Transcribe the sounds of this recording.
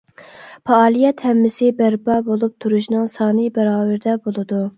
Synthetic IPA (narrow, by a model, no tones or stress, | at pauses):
pʰɑɑːlˠijɛt̪hɛmːɪsɪbæɾbɑbolˠup̚t̪ʰuɾuʃnɨŋsɑːnɨbɛɾɑːvæɾɪd̪ɛbolˠɨd̪u